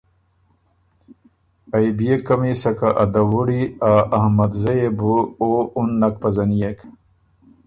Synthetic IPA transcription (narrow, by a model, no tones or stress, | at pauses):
ɐjbijekɐmisɐkaʔɐd̪ɐwuɽiaɐhmɐd̪zɐjebuounːɐk̚pɐzɐnijek